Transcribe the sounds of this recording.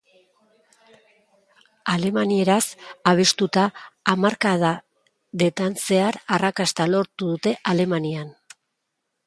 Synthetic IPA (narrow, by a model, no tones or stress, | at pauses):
ale̞manie̞ɾasaβ̞e̞st̪ut̪aːmaɾkaða | ðe̞t̪anse̞aɾarakast̪alo̞ɾt̪uðut̪e̞ʔale̞manian